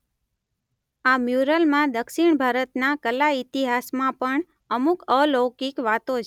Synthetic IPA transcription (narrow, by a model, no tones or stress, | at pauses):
amjuɾəlmãd̪əkʃiɳ̃bʱaɾət̪nakəlait̪iɦasmãpəɳ | əmukəlokikʋat̪ot͡ʃʰ